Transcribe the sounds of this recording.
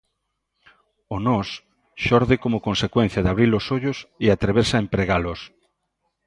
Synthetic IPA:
onɔs | ʃɔɾðɪkomʊkonsekwen̟θjaðaβɾilosoʎoseat̪ɾeβeɾsaempɾeɣalʊs

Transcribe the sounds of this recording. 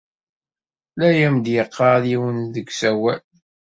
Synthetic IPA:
læjæmd̪jəqʰːɑðiwənðəɡsæwæl

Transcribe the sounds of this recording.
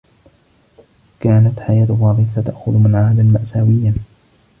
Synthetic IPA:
kaːnat̪ħajaːt̪wɑːd̪ˤɪsat̪aʔxʊðmɪnʕaːd̪ammaʔsaːwɪjːa

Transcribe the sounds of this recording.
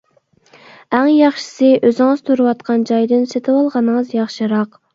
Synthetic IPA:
æŋjɑχʃɪ̥sɨʔøzɪŋɨz̥t̪ʰuɾɨwɑt̪qʰɑnd͡ʒɑjd̪ɪnset̪ʰɪwɑlˠʁɑnɨŋəzjɑχʃɨɾɑq

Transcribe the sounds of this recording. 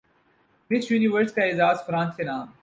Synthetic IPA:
mɪt͡ʃjuːniʋəɾskaɪzaːzfɾãːnsenaːm

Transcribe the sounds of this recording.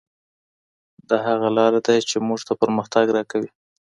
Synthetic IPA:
d̪ɑɦaɣalɑɾad̪ajt͡ʃemuʐt̪apəɾməxt̪aɡɾɑkawi

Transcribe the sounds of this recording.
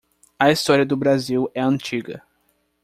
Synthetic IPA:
ɐist̪ɔɾiɐd̪ʊbɾaziwɛɐ̃nt͡ʃiɡɐ̰

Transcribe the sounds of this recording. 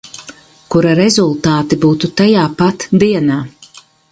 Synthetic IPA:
kuɾaɾezulˠt̪aːt̪ibuːt̪ut̪ajaːpat̪d̪iɛnaː

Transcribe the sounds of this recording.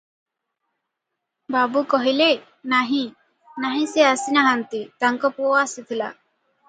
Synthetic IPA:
babukɔɦile | naɦĩ | naɦĩseasinaɦant̪it̪aŋkɔpowaːsit̪ʰila̰

